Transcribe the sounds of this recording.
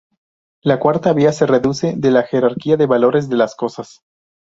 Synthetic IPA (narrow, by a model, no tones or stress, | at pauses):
lakwaɾt̪aβiase̞re̞ðuse̞ðe̞laxe̞ɾaɾkiaðe̞βalo̞ɾe̞zðe̞lasko̞sas